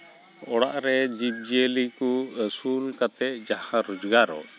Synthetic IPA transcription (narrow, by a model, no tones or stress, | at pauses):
ɔɽa̰ʔɾɛd͡ʒib̚d͡ʒelikusulkat̪ɛʔ̚d͡ʒahãɾud͡ʒɡaɾɔ̰